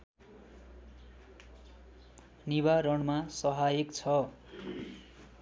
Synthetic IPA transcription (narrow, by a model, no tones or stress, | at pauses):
niβarʌɳmasʌɦajekt͡sʰʌ